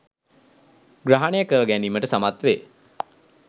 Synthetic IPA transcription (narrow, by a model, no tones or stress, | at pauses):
ɡraɦanejakəɾəɡæniːməʈəsamat̪ʋeː